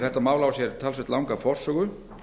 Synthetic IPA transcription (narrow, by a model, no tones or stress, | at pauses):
θɛht̪ːamaːwlaːwsjɛɾt̪ʰalsvɛht̪lawŋkafɔr̥sœːɣʏ